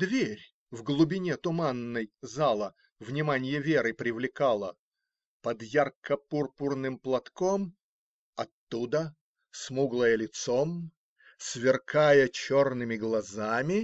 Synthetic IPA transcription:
d̪vʲeɾʲ | vɡlˠʊbʲɪnʲet̪ʊmanːəjzalˠə | vnʲɪmanʲɪjəvʲeɾɨpɾʲɪvlʲɪkalˠə | pəd̪jarkəpurpʊrnɨmplˠɐt̪kom | ɐt̪ːud̪ə | smuɡlˠəjəlʲɪt̪som | svʲɪrkajət͡ɕornɨmʲɪɡlˠɐzamʲɪ

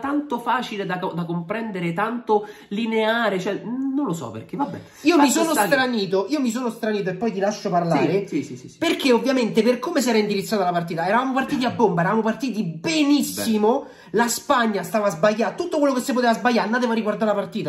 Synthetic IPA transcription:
t̪ant̪ofaːt͡ʃiled̪aod̪akompɾɛnd̪eɾet̪ant̪o | lineaːɾet͡ʃoɛnːõnlosɔ̰pḛrk̟evabɛ̰ | iːomis̬oːnost̪ɾaniːt̪̬oʔiːomis̬oːnost̪ɾaniːt̪̬oepːɔjt̪̬ilaʃːoparlaɾe | perk̟eovːjament̪eperkomes̬ɛːɾaind̪iɾit̪sːaːt̪alapart̪̬iːt̪aɛɾavamopart̪iːt̪̬iabːombaɛɾavamopart̪iːt̪̬ibenisːimo | laspaɲːast̪aːvaːzbajːat̪ut̪ːokwelːokesːepot̪eːvazbajːaɾnad̪evaɾiɡward̪aɾlapart̪iːt̪a

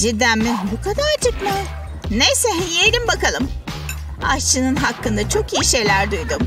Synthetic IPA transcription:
d͡ʒid̪æmmːibukʰad̪aɾt͡ʃʰɯkmɯ | nejsɛɦeejɾimbakalˠɯm | a̰ʃt͡ʃʰɯnɯnɦakːɯnd̪at͡ʃʰo̞kiːiʃe̞jlʲæɾd̪ujd̪um

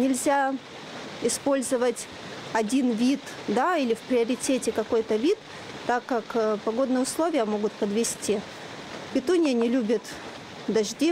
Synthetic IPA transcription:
nʲɪlʲzʲa | ɪspo̞lʲzəvətʲ | ɐdʲinvʲit̪d̪ailʲɪfpɾʲɪɐɾʲɪtʲetʲɪkɐko̞jt̪əvʲit̪ː | akːakpɐɡo̞d̪nɨjəʊslˠovʲɪjəmo̞ɡʊt̪̚pəd̪vʲɪsʲtʲi | pʲɪt̪unʲɪjənʲɪlʲubʲɪt̪ | d̪ɐʐdʲi

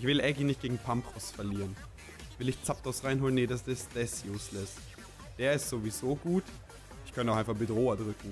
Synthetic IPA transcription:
ʔɪçv̥ɪlʔɛɡinɪçt̚ɡ̥eːɡŋ̩pʰampʁ̥ɔsfɛɐliːʁən | vɪlɪçt͡sap̚tʰosʁaɪnɦoːləneːdasd̥ɪsd̥ɛsjuːslɛs | d̥eːɐɪstz̥ovizoːɡuːt | ɪçkʰœntəʊxʔaɪnfaχb̥ədʁoːɐdʁʏkŋ̩

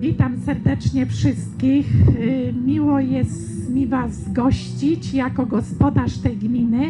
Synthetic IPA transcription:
vʲit̪amsɛɾd̪ɛt͡ʂɲɛfʂɘst̪̚kʲixmʲiwɔjɛst̪mʲivazːɡɔɕt͡ɕit͡ɕjakɔɡɔspɔd̪aʂt̪ɛjɡmʲinɘ

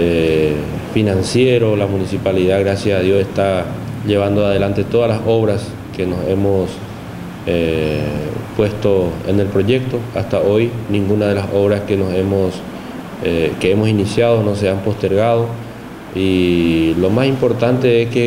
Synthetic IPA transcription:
e | finãnsje̞ɾo̞lamunisipaliðaɣɾasjasaðjo̞se̞st̪aʎe̞β̞and̪oað̞e̞lant̪e̞t̪oðalaso̞βɾas | ke̞no̞se̞mos | e | pwe̞st̪o̞ḛne̞lpɾo̞ʝe̞k̚t̪o̞ast̪ao̞jnĩŋɡunað̞e̞lasʔo̞βɾaskenose̞mos | eke̞emo̞sinisjað̞onos̬eampo̞st̪e̞ɾɣað̞o̞ | ilo̞masimpo̞ɾt̪ant̪e̞eske

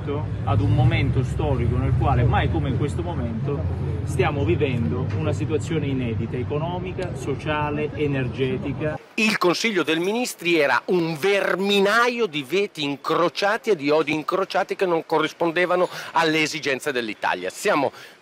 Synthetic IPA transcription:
t̪o | ad̪umːoment̪ost̪ɔːɾikonelkwaːlemajkomeiŋkwest̪omoment̪ost̪jaːmovivɛnd̪ounasit̪wat̪sːjoːneinɛːd̪it̪aekonɔːmikasot͡ʃaːleenerd͡ʒɛːt̪ika | ilkonsiʎːod̪elminist̪ɾiɛːɾa̰ʔuɱverminajod̪ivɛːt̪iːŋkɾot͡ʃaːt̪ied̪ːiɔd̪iːŋkɾot͡ʃaːt̪ikenːoŋkorːispond̪eːvanoalːeːzid͡ʒɛnt̪sed̪elːit̪a̰lja̰sjaːmo̰

